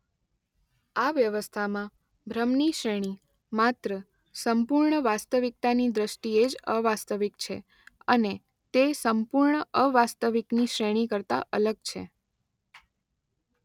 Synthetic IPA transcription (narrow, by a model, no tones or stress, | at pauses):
aʋjəʋəst̪ʰamã | bʱɾəmniʃɾeɽ̃i | mat̪ɾə | səmpuɾɳəʋast̪əʋik̚t̪anid̪ɾəʃʈied͡ʒəʋast̪əʋikt͡ʃʰḛ | əne | t̪esəmpuɾɳəəʋast̪əʋikniʃɾeɽ̃ikəɾt̪a̰ʔələɡ̚t͡ʃʰḛ